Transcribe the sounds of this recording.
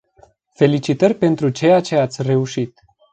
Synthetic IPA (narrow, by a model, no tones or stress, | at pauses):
fe̞lit͡ʃit̪ərʲpe̞nt̪ɾut͡ʃe̞jat͡ʃe̞at̪sʲre̞uʃit̪